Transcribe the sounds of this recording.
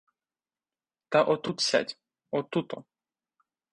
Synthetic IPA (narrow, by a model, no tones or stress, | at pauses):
t̪aʔɔt̪ut̪sʲa̰t̪ʲ | ɔt̪ut̪ɔ̰